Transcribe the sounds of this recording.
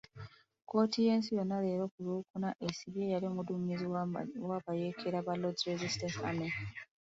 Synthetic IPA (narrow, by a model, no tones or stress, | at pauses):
ko̞ːtʰije̞ːnsijo̞nːale̞ːɾokuluːkunaʔesiβjejaliomuduɲizwaβajekʰeɾaβalodɾezistensa̰me